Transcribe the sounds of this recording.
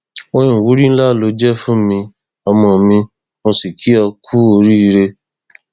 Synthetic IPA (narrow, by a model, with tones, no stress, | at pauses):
o˧ĩ˨wu˨˦ɾi˦ñ̩˦la˦˨lo˧˦d͡ʒɛ˦fũ˦mĩ˧ | ɔ˧mɔ̃˧mĩ˧ | mõ˧si˨kʰi˨˦ɔ˧kʰu˦o˧ɾi˦i˧ɾe˧